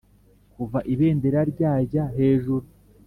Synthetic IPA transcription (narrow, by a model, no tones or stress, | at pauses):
kuvaʔiβe̞ːndeɾaɾɟaːɟaɦe̞ːʒuɾu